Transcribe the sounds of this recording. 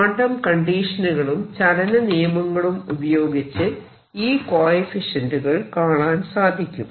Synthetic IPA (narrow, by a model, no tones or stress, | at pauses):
ɐːɳɖɐmkɐɳɖiːʂɐnuɣɐɭumt͡ɕɐɽɐnɐnijɐmɐŋːɐɭumubɐjo̞ːɡit͡ɕːɨ | iːkoːjifiʂɐnduɣɐɭkaːɭaːnsaːd̪ʱikʲːum